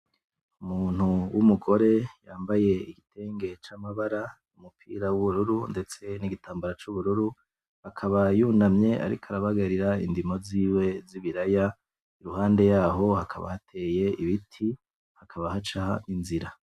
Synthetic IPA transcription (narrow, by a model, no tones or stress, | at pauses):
umuːn̥huwumuɡo̞ɾe̞jaːmbaje̞iɡitʰe̞ːŋɡe̞t͡ʃamaβaɾa | umupʰḭːɾawuβuɾuɾunde̞t͡se̞niɡitaːmbaɾat͡ʃuβuɾuɾu | akʰaβajuːnamɲe̞ʔa̰ɾḭkʰaɾaβaɡaɾiɾaindimo̞ziːwe̞ziβiɾaja | iɾuhaːnde̞jaːɦo̞hakʰa̰βa̰hatʰe̞ːje̞iβitʰi | hakʰaβahat͡ʃahainziɾa